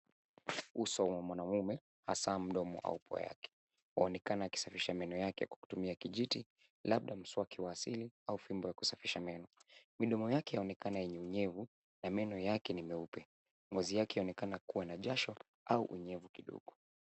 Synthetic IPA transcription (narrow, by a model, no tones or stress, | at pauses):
usɔmɔmwanamumɛ | hasaːm̩ɗɔmɔ̰ʔa̰upwa̰ja̰kɛ̥ | waɔnɛkanaːki̥safiʃamɛnɔjakɛakwḁku̥tumiakiʄiti | laɓ̚ɗam̩swakiwaːsiliaufimbɔjaku̥safiʃamɛnɔmiɗɔmɔjakɛjaɔnɛkanajɛɲɛuɲɛvu | namɛnɔjakɛnimɛupɛ | ŋɡɔzijakɛjaɔnɛkanakuwanaʄaʃɔ | aṵʔuɲɛvukiɗɔ̰ɠɔ